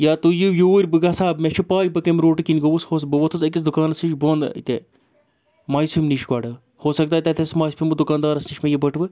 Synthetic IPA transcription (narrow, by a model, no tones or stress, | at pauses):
jaːt̪ujijuːɾʲbɨɡɐsaːbmʲet͡ʃʰipaːjbɐkɐmɾoːʈɨkinʲɡɐʋushoːs̬bɨʋɐt̪ʰɐsɐk̬is̬d̪ukaːnɐsiʃboːnd̪ɐ̰ḭt̪e | maːjspʰʲimniʃɡaɖɨ | hoːsɐk̚d̪aːt̪ʲɐt̪ʰɐsmaːspʰʲimɨd̪ukaːnd̪aːɾɐsniʃʲmejibɐʈʰʋɨ